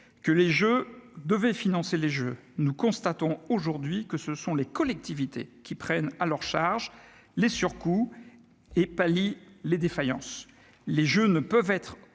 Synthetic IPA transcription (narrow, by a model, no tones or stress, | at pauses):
kəleʒød̪əvɛfinɑ̃seleʒø | nukɔ̃st̪at̪ɔ̃oʒuʁd̪ɥikəsəsɔ̃lekɔlɛk̚t̪ivit̪ḛkʲipχɛnalœʁʃaʁʒ | lesyʁku | epaliled̪efajɑ̰̃s | leʒønəpœvɛt̪χ